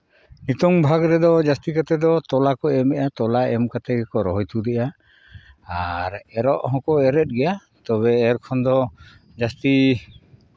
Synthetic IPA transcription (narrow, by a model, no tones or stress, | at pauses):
nit̪ɔŋbʱaɡɾɛd̪ɔd͡ʒast̪ikat̪ɛd̪ɔt̪ɔlakɔɛmɛʔat̪ɔlaɛmkat̪ɛɡɛkɔɾɔɦɔjt̪ud̪ɛʔaː | ɾɛɾɔʔɦɔ̃kɔɛɾɛt̪̚ɡɛja | t̪ɔβɛːɾkʰɔnd̪ɔ | d͡ʒast̪i